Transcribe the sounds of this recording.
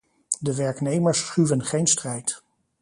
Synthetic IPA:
dəʋɛɹknejməɹsχyvənχejnstrɛjt

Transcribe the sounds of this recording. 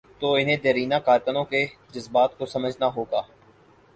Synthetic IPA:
t̪oːɪnẽd̪eɾiːnaːkaːɾkənõːked͡ʒəzbaːt̪kosəməd͡ʒʱnaɦoːɡaː

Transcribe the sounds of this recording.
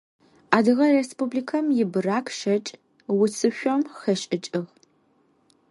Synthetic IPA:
aːdɨʁɐrespublikʰɐmjɪbɨraːkʰʃɐt͡ʃʼ | wʊt͡sʰɨʃʷɔmxɐʃʼɪt͡ʃʼɨɣ

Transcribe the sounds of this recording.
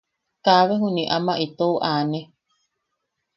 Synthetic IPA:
kaβeɦuniʔamaʔit̪ouʔaːne

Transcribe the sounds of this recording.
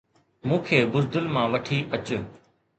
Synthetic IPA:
mũːkʰeːbʊzd̪əlmãːʋɐʈʰiːʔɐt͡ɕ

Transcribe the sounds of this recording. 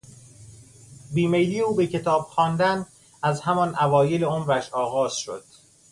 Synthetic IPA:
biːme̞jliːeuːbecʰe̞t̪ʰɒːb̥xɒːnd̪æn | æzhæmɒnʔævɒːjeleomɾæʃɒːɣɒːz̥ʃo̰d̪̥̚

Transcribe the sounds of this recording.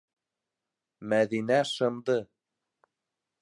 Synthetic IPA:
mæðinæʃɤ̆md̪ɤ

